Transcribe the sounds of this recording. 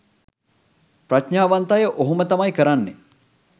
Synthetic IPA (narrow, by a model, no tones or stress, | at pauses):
pɾaʃɲaːʋant̪ajəʔoɦumət̪amajkəɾanːe